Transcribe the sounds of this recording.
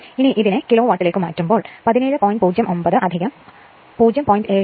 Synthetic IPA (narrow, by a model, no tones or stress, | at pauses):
iniʔiðinɨkiloːʋaːʈːileːkːɨmaːtːrumbo̞ːɭpɐðineːɻɨpoːjnɖpuːd͡ʑjɐmʔombɐðɨʔɐd̪ʱiɣɐm | puːd͡ʑjɐmpoːjnɖeː